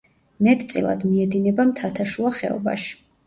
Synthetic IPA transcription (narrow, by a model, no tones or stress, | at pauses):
mɛt̪ʼt̪sʼḭlˠa̰d̪miɛd̪inɛbamt̪ʰat̪ʰaʃuaχɛ̰ɔ̰ba̰ʃi̥